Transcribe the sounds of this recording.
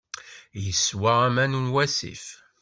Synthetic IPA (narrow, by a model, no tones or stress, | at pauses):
jəswaæmænunwæsḭf